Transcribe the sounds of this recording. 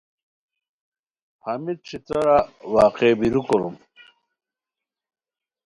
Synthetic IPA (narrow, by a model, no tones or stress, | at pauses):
hɐmit̪̚t͡ɕʰit͡sɐɾawaːqebiɾukoɾṵm